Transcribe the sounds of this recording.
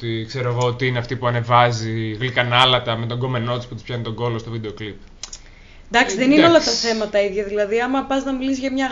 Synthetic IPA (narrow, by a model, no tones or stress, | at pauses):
t̪ikse̞ɾoeɣo̞ot̪iineɐft̪ipuɐne̞vɐziɣlikɐnɐlɐt̪ɐmet̪o̞ŋɡo̞me̞no̞t̪ispu̥t̪ispçɐnit̪o̞ŋɡo̞lo̞st̪ovid̪eoklip | d̪ɐksiðenineolɐt̪ɐθe̞mɐt̪ɐiðʝɐðilɐðiɐmɐpɐznɐmilisʝɐmɲɐ